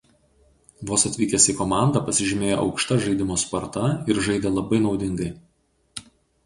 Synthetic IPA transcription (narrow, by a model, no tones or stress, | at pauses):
ʋoːsɐt̪ʲʋʲiːkʲesʲiːkɔmɑˑnd̪ɑpɐsʲɪʒʲɪmʲeːjoːʔɒ̰ʊkʃt̪ɐʒɐɪd̪ʲɪmoːspɐɾt̪ɐɪɾʒɐɪd̪ʲeːlˠɐbɐɪnɒʊd̪ʲɪŋɡɐɪ